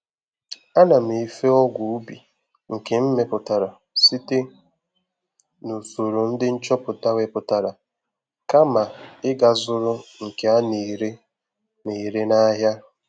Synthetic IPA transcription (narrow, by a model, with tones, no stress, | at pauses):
a˦na˨m̩˨i˨fe˦ɔ˦ɡʷu˨u˦bi˨ | ŋ̩˨ke˨m̩˦me˨pʊ˨ta˨ɾa˨ | si˦te˦ | nu˨so˨ɾo˨n̩˦dɪ˦n̩˦t͡ʃɔ˦pʊ˨ta˦we˨pʊ˨ta˨ɾa˨ | ka˦ma˨ɪ˦ɡa˨zʊ˦ɾʊ˦ŋ̩˨ke˨a˦ne˨ɾe˦ | ne˨ɾe˦na˦ɦja˦